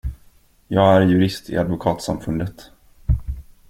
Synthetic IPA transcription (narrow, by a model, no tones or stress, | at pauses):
jɑːɡæɾjɵɾɪst̪ʰɪ̰ʔad̪vʊkʰɑːt̪sa̰mfɵnd̪ət̪